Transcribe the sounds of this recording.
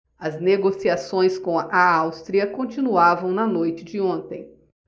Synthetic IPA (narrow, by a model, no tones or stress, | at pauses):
ɐzneɡosiasõj̃skõɐʔaawst̪ɾiɐkõnt͡ʃĩnuavɐ̃w̃nɐnojt͡ʃɪd͡ʒɪõnt̪ẽj̃